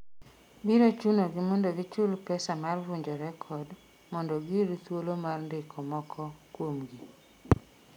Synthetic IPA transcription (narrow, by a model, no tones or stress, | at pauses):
biɾot͡ʃunoɡɪmɔndɔɡɪt͡ʃʊlpɛsamarvuɲd͡ʒɔɾɛkʰɔd | mɔndɔɡiɾt̪wolomarndɪkʰɔmɔkʰɔkwomɡi